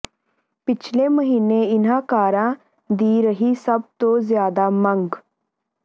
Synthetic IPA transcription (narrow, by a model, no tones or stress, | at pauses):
pɪt͡ʃʰleːməɦiːneːɪnãːkaːɾãː | d̪iːɾəɦiːsəb̚t̪õːzjaːd̪aːməŋɡ